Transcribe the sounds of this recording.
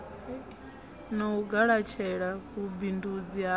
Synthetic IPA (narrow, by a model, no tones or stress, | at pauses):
nauɡaɺat͡ʃʰɛɺakubindud͡zia